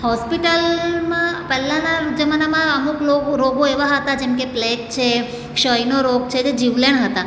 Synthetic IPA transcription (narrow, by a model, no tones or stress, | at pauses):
hɔspiʈəlmãpɛlãnad͡ʒəmanamãəmuklokɾoɡoeʋaɦət̪ad͡ʒemkeplek̚t͡ʃʰe | kʃəjnoɾoɡ̚t͡ʃʰed͡ʒed͡ʒiʋleɳɦət̪a